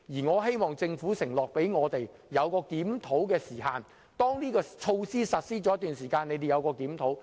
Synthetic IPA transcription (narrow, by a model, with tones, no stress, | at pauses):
jiː˨˩ŋɔː˨˧he˥jmɔː˨˩ŋt͡sɪ˧ŋfuː˨˥sɪ˨˩ŋlɔː˨k̚pe˨˥jŋɔː˨˧t̪e˨j | jɐ˨˧wkɔː˧kiː˨˥mt̪ʰo˨˥wkɛː˧siː˨˩haː˨˧n | t̪ɔː˥ŋniː˥kɔː˧t͡ʃʰo˧wsiː˥sɐ˨t̚siː˥t͡sɔ˨˥t̪ːyː˨nsiː˨˩kaː˧ne˨˧jt̪e˨jɐ˨˧wkɔː˧kiː˨˥mt̪ʰo˨˥w